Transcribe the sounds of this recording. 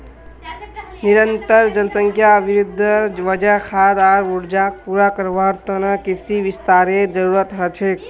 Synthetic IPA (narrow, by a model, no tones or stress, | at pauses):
niɾənt̪əɾd͡ʒənsəŋkʰjaəbʱiɾud̪ʱːəʋəd͡ʒakʰad̪aɾuɽd͡ʒak̚puɾakəɾbaɾt̪ənəkisiʋist̪aɾed͡ʒəɾuɾət̪ɦət͡ʃʰek